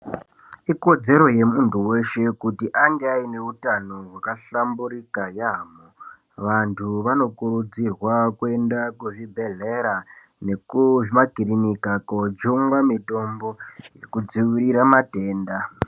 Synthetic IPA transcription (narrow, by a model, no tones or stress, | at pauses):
iko̞d͡ze̞ɾo̞je̞muntuwe̞ʃe̞kutiʔaŋɡeaine̞utano̞ɦwakaɬambuɾikajamo | ʋantʰuʋano̞kuɾud͡zirwakue̞ndakuʐibʱe̞ɮe̞ɾa | ne̞kuʐmakirinikakod͡ʒuŋwamito̞mbo̞je̞kud͡ziwiɾiɾamate̞ːnda